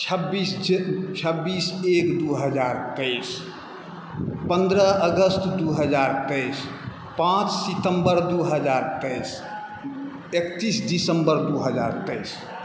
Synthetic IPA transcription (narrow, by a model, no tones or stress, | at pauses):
t͡ʃʰəbːist͡ʃʰəbːisekd̪uɦəd͡ʒaɾt̪əɪs | pənd̪ɾəəɡəst̪d̪uɦəd͡ʒaɾt̪əjs | pãt͡ʃsit̪əmbəɾd̪uɦəd͡ʒaɾt̪əjs | ekt̪isdisəmbəɾd̪uɦəd͡ʒa̰ɾt̪əjs